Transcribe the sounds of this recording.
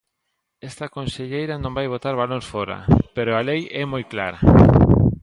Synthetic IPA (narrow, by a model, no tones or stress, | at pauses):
ɛst̪akõnseʎejɾanõmbajβ̞ot̪aɾβaloŋsfoɾa̰peɾoalejɛmojklaɾa̰